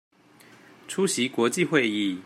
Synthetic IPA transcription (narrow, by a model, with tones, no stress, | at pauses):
ʈ͡ʂʰu˥ɕi˨˦kwɔ˨˧˥t͡ɕi˥˨xwe˥˧ɪi˥˩